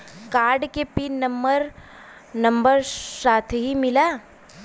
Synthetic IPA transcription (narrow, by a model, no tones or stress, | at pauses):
kaːɾɖkepinɐ̃mbəɾ | nɐ̃mbəɾsaːt̪ʰɦimɪlaː